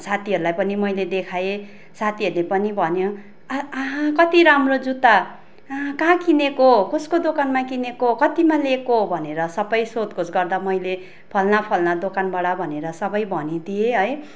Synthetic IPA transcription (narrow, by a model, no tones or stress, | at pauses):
sat̪ʰiɦʌɾulajpʌnimʌjled̪ekʰaje | sat̪ʰiɦʌɾulepʌnibʱʌnjo | ɦkʌt̪iɾamrod͡zut̪a | kãkinekokoskod̪okanmakinekokʌt̪imalekobʱʌneɾʌsʌbʌjsod̪kosɡʌrd̪amʌjle | pʰʌlnapʰʌlnad̪okanbaɽabʱʌneɾʌsʌbʌjbʱʌnid̪ieɦʌj